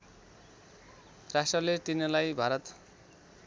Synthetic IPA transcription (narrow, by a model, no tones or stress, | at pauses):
rasʈrʌleʈinʌlajbʱaɾʌt̪